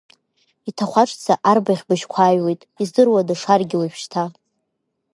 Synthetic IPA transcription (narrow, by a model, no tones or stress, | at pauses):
itʰaχʷaʈ͡ʂʼt͡sʰaʔarbaχʲbɨʃkʷʰaːjwe̞jtʼizdɨrwadaʂarɡʲɪwapʰʃtʰa